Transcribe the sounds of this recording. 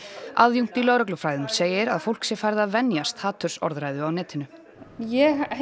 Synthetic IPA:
aðjuŋ̥t̪ilœːwɾœk̬lʏfɾaːjðʏmseːjɪɾaðfowl̥ksɛfaːjɾɪðaðvɛnjast̪haːt̪ʰʏɾ̥sɔ̰ɾðɾaːjðʏawnɛːt̪ʰɪnʏ | jɛ

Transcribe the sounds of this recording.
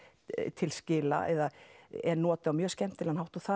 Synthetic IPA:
t̪ʰɪlscɪːla̰ɛ̰ðaɛɾnɔːt̪ɪawmjœːscɛm̥t̪ɪlanawht̪uθa

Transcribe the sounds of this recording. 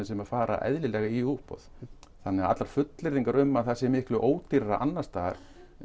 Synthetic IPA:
ɪnsɛmafaːɾa̰ʔɛ̰ðlɪlɛɣaiuhpɔ̰ð | θanːɛaa̰t̪laɾ̥fʏt̪lɪɾðiŋkaɾʏmːaðθḁsɛmɪhklʏʔoːwt̪iɾaɾa̰ʔa̰nːast̪aːɣa̰ɾ̥

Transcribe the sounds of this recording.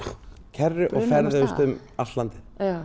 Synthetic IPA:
cʰɛrːʏʔɔɣfɛɾðɪʏst̪ʏm | aft̪lant̪ɪn

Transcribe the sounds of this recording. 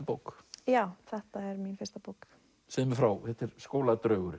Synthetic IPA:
powkjaːwθɛht̪aɛɾminfɪɾst̪apowk | sɛmʏfɾawθɛht̪ɛɾ̥skoːwlat̪ɾœːɣʏɾ

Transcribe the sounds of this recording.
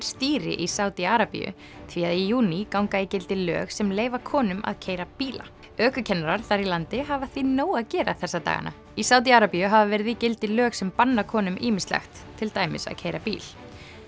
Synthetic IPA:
ɾ̥st̪iːɾɪ̰ʔisaːwt̪iaɾapḭjʏ̰ | θʰviaðijuːnikawŋkaicɪlt̪ɪlœ̰ːɣsɛmleːjvakʰɔːnʏma̰ðcʰeːjɾapiːla̰ | œːkʏcʰɛnːaɾaɾ̥θaɾilant̪ɪɦavaθvinoːwaðcɛːɾaθɛsːat̪a̰ːɣa̰na̰ | isaːwt̪̬iaːɾapiʏɦavavɛɾɪðicɪlt̪ɪlœːɣsɛmpanːakʰɔːnʏmiːmɪnst̪la̰xt̪ʰːɪlt̪aːjmɪ̰sa̰ðcʰeːjɾapḭːl

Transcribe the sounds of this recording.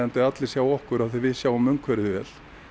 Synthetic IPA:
ɛnt̪ɪat̪lɪsjaːwɔhkʏɾawθɪvɪðsjaːwʏmʏŋkʰvɛɾðɪvɛːl̥

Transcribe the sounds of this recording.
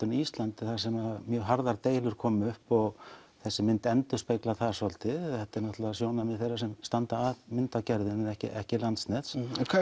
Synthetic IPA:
ʏnist̪lant̪ɪθasɛmaðmjœːɦaɾðaɾt̪eːjlʏɾ̥kʰɔːmʏhpɔɣθɛsːɪmɪnt̪ɛnt̪ʏspejklaθasɔlt̪ɪɛht̪ɛɾnɔht̪lavasjoːwnamɪθejrːasɛmst̪ant̪aːðmɪnt̪acɛɾðɪnɛnɛhcɪ̰ʔɛ̰hcɪlant̪snɛt̪skʰ

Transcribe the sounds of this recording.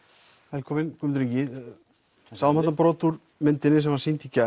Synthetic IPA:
vɛlkʰɔmɪnkʏmt̪ɾicɪ | saðmat̪apɾɔt̪uɾ | mɪnt̪ɪnɪs̬ɛmvaɾsint̪ʰica

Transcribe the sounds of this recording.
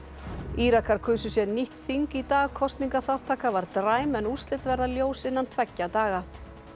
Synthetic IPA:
iːɾakaɾ̥kʰʏːsʏsjɛɾnihkθiŋkit̪aːɣkʰɔst̪niŋkaθawht̪ʰːaːkavaɾt̪ɾaːjmɛnust̪lɪt̪vɛɾðaljoːwsɪnːant̪ʰvɛcːat̪aːɣa

